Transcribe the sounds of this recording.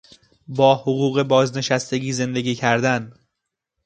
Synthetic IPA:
bɒːhoɣuːɣe̞bɒːzne̞ʃæst̪e̞ɟiːze̞nd̪e̞ɡiːcʰæɾd̪æn

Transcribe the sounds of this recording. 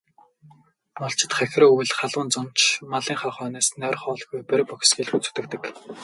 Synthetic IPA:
mɔɮt͡ɕʰɪ̆t̪χæx̆ʲrːuwɘ̆ɮχaɮwʊ̆ːnt͡sɔn̥t͡ɕʰmaɮiːŋχaːχœːnaːsnœːrχɔːɮɣujpæɾpɔkʲsɡiːɮxut͡sɵ̥t̪ɘ̆kt̪ɘ̆k

